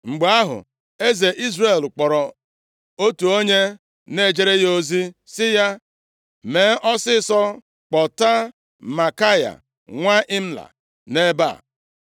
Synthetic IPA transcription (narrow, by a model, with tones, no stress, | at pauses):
ŋ͡m̩˨ɡ͡ba˦ɦʊ̰˨ | e˦ze˨ʔi˦zre˨lk͡pɔ˨ɾɔ˨ | o˦tu˨o˦ɲe˦ | ne˦˨d͡ʒe˦ɾe˦jo˦zi˦sɪ˦ja˦ | me˨˦ʔɔ˦sɪ˦sɔ˦ | k͡pɔ˨ta˦ | ma˨ka˦ja̰˨ | ŋʷa˦ʔɪ˦m̩˦la̰˨ | ne˦ba̰˦˨